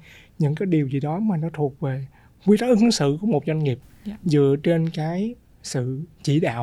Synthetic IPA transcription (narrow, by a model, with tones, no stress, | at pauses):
ɲɨ̰˧˥ŋkaː˨˦jɗi˨˩əwzḭ˧˨ɗɔ˨˦maː˨˩nɔ˨˦t̪ʰu˨˩ət̚ve˨˩ | kwi˧t̪aː˦ʔɨ˨˧˦ŋsɨ̰˧˨ku˧˩əmo˨˩t̚zwa˧ŋ̟ŋi˨˩əp̚ | zɨ̰˧˨ət͡ɕe˧nkaː˨˦j | sɨ̰˧˨t͡ɕi˧˩˨ɗa̰ː˧˨w